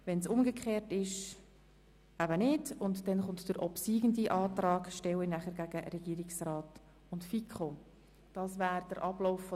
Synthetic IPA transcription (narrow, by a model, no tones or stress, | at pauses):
vɛnsʊmɡəkχeːɾtɪʃ | æbənɪdʊntd̥ɛnχʊntd̥əɾʔɔpsiːɡəndiʔɑːtrɑːɡʃtɛwinæχəɾɡæɡəɾɛɡ̥iːɾɪksrɑːt | ʊntfikχo | d̥ɑːsvæːɾd̥əɾʔɑblɔʊfːɔ